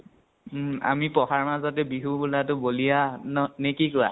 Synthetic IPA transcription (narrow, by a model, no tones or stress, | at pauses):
a̰mipɔxaɹmazɔtɛbiɦubulatʊbolijannekikʊɹa̰